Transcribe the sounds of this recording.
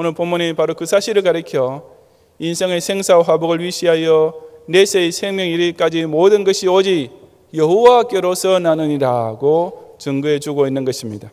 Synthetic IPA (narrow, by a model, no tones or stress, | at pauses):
onɯɭpomːoɲipaɾokɯsʰaɕʰiɾɯɭkaɾɯkʰjʌ | insʰeŋesʰeŋsʰaɸwaboɡɯɭɥiɕʰiɦajʌnesʰeisʰe̞ŋmjʌŋiɾik͈ad͡ʑimodɯnɡʌɕʰiod͡ʑi | jʌɦuwak͈eɾosʰʌnanɯɲiɾaɡot͡ɕɯŋɡɯe̞t͡ɕuɡoinːɯnɡʌɕʰimɲida